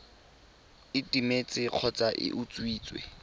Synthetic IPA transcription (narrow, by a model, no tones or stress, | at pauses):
ɪtʼimet͡sʼɪq͡χʰɔt͡sʼaʔɪ̰ʔʊt͡sʼwiːt͡sʼwḛ